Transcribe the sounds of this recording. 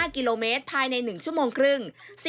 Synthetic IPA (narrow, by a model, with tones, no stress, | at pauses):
ki˧loː˧meː˦˥t̪̚pʰaː˧jna˧jnɯ˨˩ŋt͡ɕʰu˥˩əmoː˧ŋkʰɾɯ˥˩ŋsi˨˩